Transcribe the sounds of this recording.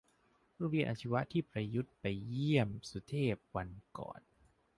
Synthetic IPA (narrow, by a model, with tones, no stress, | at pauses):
ɾuː˥˩wi˧˥˩nʔa˧˩t͡ɕʰi˧wa˦˥ʔt̪ʰiː˥˩pɾa˧ju˦˥t̪̚pa˧jji˥˩əmsu˨˩˦t̪ʰeː˥˩p̚wa˧nkɔ̰ː˨˩n